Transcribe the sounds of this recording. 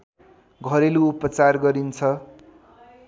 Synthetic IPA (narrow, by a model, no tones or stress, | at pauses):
ɡʱʌɾeluːpʌt͡sarɡʌɾint͡sʰʌ